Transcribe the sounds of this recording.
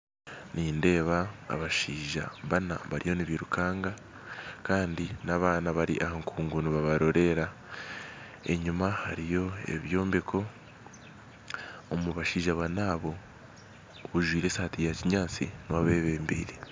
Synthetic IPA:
niːnde̞ːβa̰ːβaʃiːʒa̰βana̰βaɾijo̞niβiɾukʰaːŋɡa | kaːndinaβaːnaβaɾḭʔahaŋkuːŋɡuniβaβaɾo̞ɾe̞ɾa | e̞̰ɲumahaɾijo̞e̞̰βjo̞ːmbekʰo̞ | muβaʃiːʒaβanaːβo̞ | βuʒwiːɾe̞ːsaːtijaciɲaːt͡sḭnwaβe̞βeːmbḭːɾe

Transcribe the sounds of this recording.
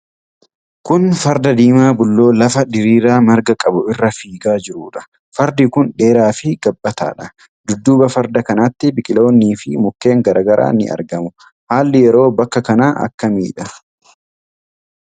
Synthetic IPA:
kʊnfɐɾd̪ɐd̪iːmaːbʊlːo̞ːlɐfɐd̪ɪɾiːɾaːmɐɾɡɐkʼɐbʊɪrːɐfiːɡaːd͡ʒɪɾuːᶑɐ̥ | fɐɾd̪ɪkʊnᶑe̞ːɾaːfɪɡ̥ɐbːɐt̪a̰ːᶑɐ | d̪̥ʊd̪ːuːbɐfɐɾd̪ɐkɐnɐt̪ːɪbɪkʼɪlo̞ːnːiːfɪmʊkːe̞ːŋɡɐɾɐːɡɐɾʔa̰ːnɪ̰ʔɐ̰ɾɡɐmʊ | haːlːɪjɛɾo̞ːbɐkːɐkɐnaːʔɐ̰kːɐmḭːᶑɐ

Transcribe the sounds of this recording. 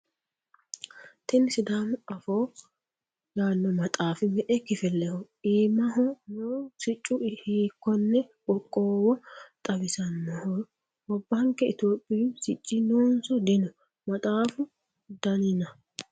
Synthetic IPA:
t̪ɪnsɪd̪aːmʊɐfoː | jaːnːɔmɐt̪ʼaːfɪmɛʔɛkɪfɛlːɛhɔʔiːmɐɦɔnoːsɪt͡ʃʼːʊhiːkːɔnːɛbɔkʼːoːwɔt̪ʼɐbɪsɐnːɔhɔ | wɔbːɐŋkɛɪt̪jo̞ːpʼːɪjsɪt͡ʃʼːɪnoːnsɔd̪ɪnɔ | mɐt̪ʼaːfʊ | d̪ɐnɪnɐ

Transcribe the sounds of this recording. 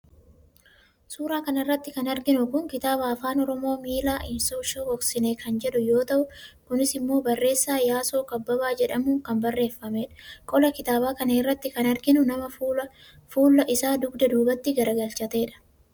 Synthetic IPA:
suːɾaːkɐnɐrːɐt̪ːɪkɐnɐɾɡɪnʊkʊŋkɪt̪aːbaːfaːnɔɾɔmo̞ːmiːlaːʔɪmsoːʃoːɔksɪneːkɐnd͡ʒɛᶑʊjo̞ːt̪ɐʔʊkʊnɪsɪmːo̞ːbɐrːe̞ːsːaːjaːso̞ːkɐbːɐbaːd͡ʒɛᶑɐmuːŋkɐmbɐrːe̞ːfːɐme̞ːᶑɐ̥kʼɔlɐkɪt̪aːbaːkɐneːrːɐt̪ːɪkɐnɐɾɡɪnʊnɐmɐ | fuːlːɐʔɪsaːd̪ʊɡd̪ɐd̪uːbɐt̪ːɪɡɐɾɐɡɐlt͡ʃɐt̪e̞ːᶑɐ̥

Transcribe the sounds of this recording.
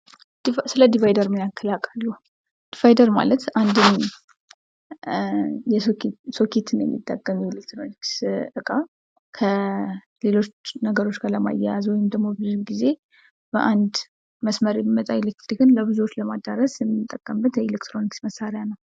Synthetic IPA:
sɨləd̪ivajd̪əɾmjakʰːəlakʼalːuh | d̪̥ivajd̪əɾma̰lət̪ʔand̪ɨn | jɛskso̞kʰet̪ʰɨnjɛ̰mːḭt̪ʼːəkʼːəmjɛelek̚t̪ɾoniksɨkʼa | kʰə | le̞lo̞t͡ʃnəɡəɾo̞t͡ʃːɡaɾləma̰jazwɔjɪmd̪əɡmo̞bɨzɡize̞ | b̥əʔand̪ | məsməɾebəmət̪ʼaelek̚t̪ɾikɨnləβɨzuwot͡ʃːləmad̪aɾəsjɛmːɨt̪ʼːəkʼːəmbət̪jɛelekt̪ɾo̞niksməsaɾjanəw

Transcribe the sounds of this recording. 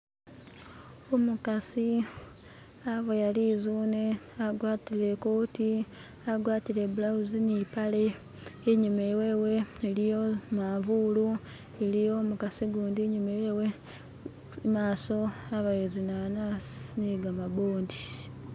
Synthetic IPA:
omukasi | aβejalizuːneaɡwaːtile̞koːti | aɡwaːtile̞βulawuzinipale̞ | eɲumeweːwe̞elijo̞maːvuːlu | elijo̞ːmukasiɡuːndiɲumewewe | maːso̞aβajezinananiɡamaβoːndi

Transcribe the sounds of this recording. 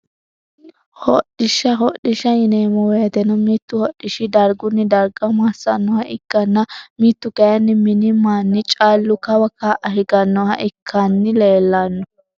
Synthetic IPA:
hɔɗɪʃɐɦɔɗɪʃɐɪneːmɔwɛjɐt̪ɛnɔmiːt̪ːʊhɔɗːɪʃɪd̪ɐɾɡʊnːɪd̪ɐɾɡɐmasɐnːɔhɐʔɪkːɐnːɐmiːt̪ːʊɡɐjɐnːɪmɪnɪmaːnːɪt͡ʃʼaːlːʊkɐwɐkaːʔɐhɪɡɐnːɔhɐ̰ʔɪkʰːanːɪleːlːɐnːɔ

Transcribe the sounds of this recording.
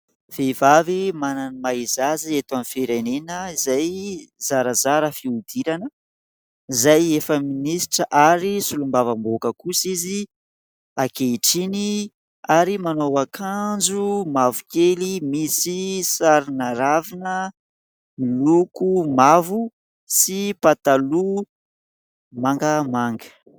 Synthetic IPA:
v̥evavimananimaizaziet̪amifeɾanenəizajzaɾəzaɾəfiud̪iɾanə | izajefəminisi̥ʈ͡ʂəʔaɾisulumbavambokəkusizi | akeiʈ͡ʂini | aɾimanowakʰand͡ʒumavukelimisisaɾinaɾavinə | milukumavu | sipat̪alu | maŋɡəmaŋɡə̥

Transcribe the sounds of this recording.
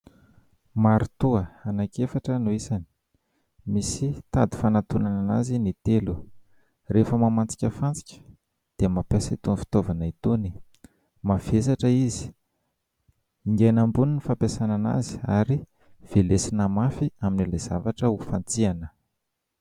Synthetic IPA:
maɾit̪uəanakefaʈ͡ʂənuisani̥ | misit̪ad̪i̥fanat̪unanana̰zinit̪elu | refəmamant͡si̥kʲəfant͡si̥kʲə̥ | d̪̥eəmapesit̪unfi̥t̪ovanait̪uni̥ | mav̥esaʈ͡ʂəizi̥ | iŋɡenambuninifampesanana̰zi̥a̰ɾi | v̥elesinəmafiaminilaz̥avaʈ͡ʂəufant͡sianə

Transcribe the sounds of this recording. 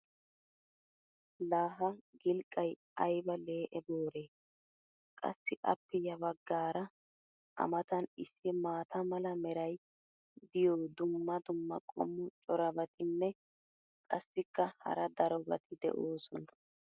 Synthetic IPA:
laːɦɐɡɪlkʼːɐj | ɐjbɐle̞ːʔɛboːɾe̞ː | kʼɐ̰sːɪʔɐ̰pːɛjɐβɐɡːaːɾɐ | ʔɐ̰mɐt̪ɐnɪsːɪmaːt̪ʰɐmɐlɐmɛɾɐj | d̪ɪjoːd̪ʊmːɐd̪ʊmːɐ̰kʼɔ̰mːʊt͡ʃʼɔɾɐbɐt̪ʰɪnːɛ | kʼɐsːɪkːɐhɐ̰ɾɐd̪ɐɾɔbɐ̰t̪ʰɪd̪ɛ̰ʔoːsɔnɐ

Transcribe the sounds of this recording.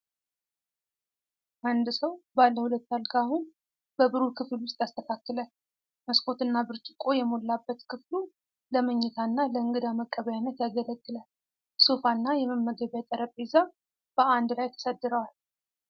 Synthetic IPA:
ʔand̪ɨsəwbalːəhulət̪ːalkʰaaːhun | b̥əbɨɾukʰɨflwʊst̪ʼjast̪ʰəkʰakːɨləl | məskʰʼo̞t̪ɨnːabɨɾt͡ʃʼɪkʼo̞jɛmo̞lːabːət̪kʰɨflu | ləməɲːɛt̪ʰanːaləɨŋɡɨd̪aməkʼːəβəjanːət̪jaɡələt̪ːɨlal | sofanːajɛməmːəɡəβjat̪ʼəɾəpʼeza | b̥əʔand̪ɨlajt̪ʰə̥səd̪ːɨɾəwal

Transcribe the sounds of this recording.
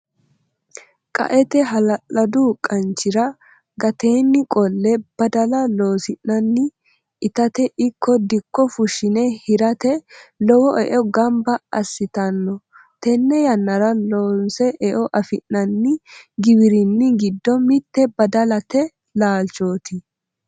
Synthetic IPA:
kʼɐ̰ʔɛt̪ɛɦɐlɐʔɐd̪ʊkʼɐnt͡ʃːɪɾɐ | ɡɐt̪e̞ːnːɪkʼɔlːɛb̥ɐd̪ɐlɐloːsɪnːɐnːɪ | ʔɪt̪ɐt̪ɛʔɪkʰːɔd̪ɪkːɔfʊʃɪnɛhɪɾɐt̪ɛlɔwɔʔɛʔɔɡɐmbɐɐsːɪt̪ɐnːɔ | t̪ɛnːɛjɐnːɐɾɐloːnsɛʔɛʔɔʔɐfɪnnɐnːɪɡɪbɪɾɪnːɪɡɪd̪ːɔmɪt̪ːɛbɐd̪ɐlɐt̪ɛ | laːlt͡ʃo̞ːt̪ɪ

